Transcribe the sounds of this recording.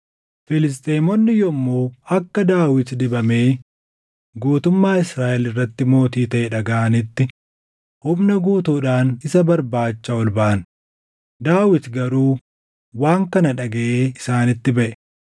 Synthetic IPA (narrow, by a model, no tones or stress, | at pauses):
fɪlɪs̬t̪ʼeːmɔnːɪjɔmːoːɐkːɐd̪aːwɪt̪d̪ɪbɐme̞ː | ɡuːt̪ʊmːaːɪsɾaːʔɛlɪrːɐt̪ːɪmo̞ːt̪iːt̪ɐʔɛᶑɐɡɐʔɐnɪt̪ːɪ | hʊmnɐɡuːt̪uːᶑaːnɪsɐbɐɾbaːt͡ʃːɐɔlbaʔɐn | d̪aːwɪt̪ɡɐɾuː | waːŋkɐnɐᶑɐɡɐʔeːɪsaːnɪt̪ːɪbɐʔɛ̥